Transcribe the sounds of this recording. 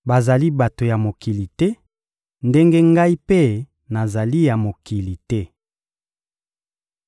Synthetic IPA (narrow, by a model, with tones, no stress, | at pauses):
ba˨za˨li˦ba˨to˨ja˨mo˨ki˨li˨tɛ˦ | nde˦ŋɡe˦ŋɡa˦i˦pe˦ | na˨za˨li˦ja˨mo˨ki˨li˨tɛ˦